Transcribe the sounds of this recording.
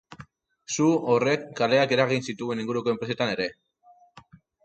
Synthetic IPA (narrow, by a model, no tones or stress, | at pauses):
suore̞kːale̞ake̞ɾaɣ̞insit̪ue̞niŋɡuɾuko̞e̞mpɾese̞t̪ane̞ɾe̞